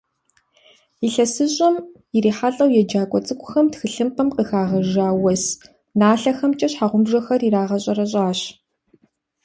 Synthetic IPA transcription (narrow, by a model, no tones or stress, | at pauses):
iɬɐsɨɕʼɐm | iriːħaɬʼɐwjɛd͡ʒaːkʷʼɔt͡sʼɨkʷʼʊxɐmtxɨɬɨmqɐmqəxaːʁɐʒaːwɐs | naːɬɐxɐmt͡ʃʼɐɕħaːʁʷʊmʒɐxɐriɾaːʁɐɕʼɐrɐɕ̬ʼaːɕ